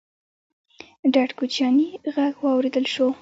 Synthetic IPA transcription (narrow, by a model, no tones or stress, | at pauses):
ɖaɖkut͡ʃjɑniɣaɡwɑwɾed̪əlʃo